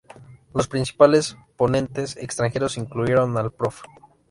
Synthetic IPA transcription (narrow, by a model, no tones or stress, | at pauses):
lo̞spɾinsi̥pale̞sponẽ̞nt̪e̞sḛkst̪ɾaŋxe̞ɾo̞siŋkluje̞ɾo̞nalpɾof